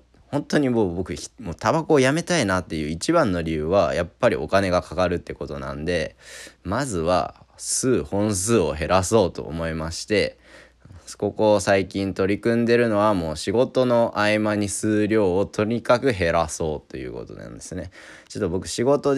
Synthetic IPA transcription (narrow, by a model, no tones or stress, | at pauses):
hõnt̪o̞ɲ̟iboːbo̞kɯ̟̥moːt̪abakoːjame̞t̪ainat̪ːe̞jɯ̟ːit͡ɕibãnːo̞ɾʲiɯ̟ːβajapːaɾʲio̞kane̞ɡakakaɾɯ̟t̪ːe̞ko̞t̪o̞nã̰nd̪e̞mazɨβa̰sɨːhõ̞ɰ̃sɨːo̞ɦe̞ɾaso̞ːt̪o̞̰ːmo̞imaɕi̥t̪e̞ | so̥ko̞ko̞saikʲĩnt̪o̞ɾʲikɯ̟̃nd̪e̞ɾɯ̟no̞β̞amo̞ːɕiɡo̞t̪o̞no̞ʔaimaɲ̟isɨːɾʲo̞ːot̪ʰo̞ɾ̟ʲikakɯ̟ɦe̞ɾaso̞ːt̪ːe̞jɯ̟̰ːko̰t̪o̞̰nã̰nd̪esɨne̞ | t͡ɕot̪ːobo̞kɯ̟̥ɕiɡo̞t̪o̞